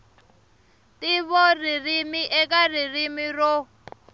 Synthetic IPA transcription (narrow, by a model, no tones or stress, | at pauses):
tiβɔririmiʔɛkʼaririmirɔ